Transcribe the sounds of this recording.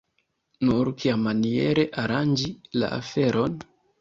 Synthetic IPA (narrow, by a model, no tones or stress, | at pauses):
nuɾkʰiamːanie̞ɾe̞ʔaɾand͡ʒila̰ʔa̰fe̞ɾʔo̞n